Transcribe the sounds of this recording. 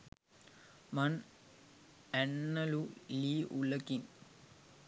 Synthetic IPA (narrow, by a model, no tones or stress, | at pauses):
man | ænːəluliːʔuləkin